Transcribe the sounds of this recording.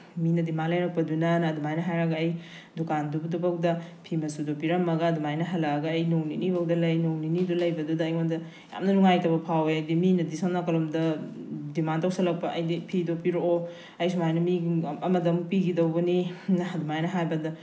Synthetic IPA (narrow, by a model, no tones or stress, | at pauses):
minɐdimanlɐjɾɐk̚pɐdunɐnɐːdumajnɐɦajɾɐɡɐɐj | dukandubdubɐkdɐpʰimɐsudopiɾɐmːɐɡɐːdumajnɐɦɐlɐɡɐːjnowninibɐwdɐlɐjnowninidulɐjbɐdudɐːjmondɐ | ja̰mnɐnuŋajtɐbɐpʰaweajdiminɐdisannakɐlomdɐdimantawsɐlɐk̚pɐɐjdipʰidopiɾoʔo | ɐjs̬umajnɐmiɡɐmɐdɐmpiɡidɐwbɐninɐɐdumajnɐɦajbɐdɐ